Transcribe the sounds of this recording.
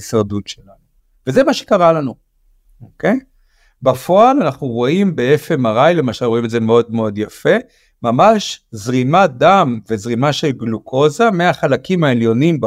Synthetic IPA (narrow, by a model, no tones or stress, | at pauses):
isaʁdutʃelanu | vezemaʃe̥kaʁalanu | okej | bafo̞alanaχnuʁo̞imbeefemaʁajle̞maʃalʁoimeze̞meo̞d̪meo̞d̪jafe̞ | mamaʃzʁimad̪amve̞zʁimaʃe̞lɡlukʰo̞zameaχalakimae̞ljo̞nimb